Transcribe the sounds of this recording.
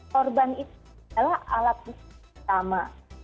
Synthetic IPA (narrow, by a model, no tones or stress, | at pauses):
kɔrbanit̪alahʔa̰lat̪̚bust̪ama